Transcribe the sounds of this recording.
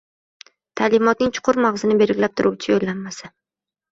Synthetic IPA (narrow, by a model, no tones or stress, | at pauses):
t̪ʰaːlɪmɒt̪̚nɪŋt͡ʃʰʊ̥qʰʊɾmaʁzɪnɪbe̞ɾɡʲlap̚t̪ʰʊɾuwt͡ʃʰɪjolːanːasa